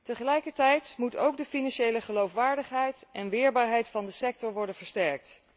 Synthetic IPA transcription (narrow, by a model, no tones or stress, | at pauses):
təχəlɛjkəɹtɛjtmuto̰wkdəfinɑnʃejləχəlowfʋaːɹdəχɦɛjtʔɛnʋɪːɹbaːɹɦɛjtfɑndəsɛk̚tɔɹʋɔɹdənv̥əɹstɛɹk̚t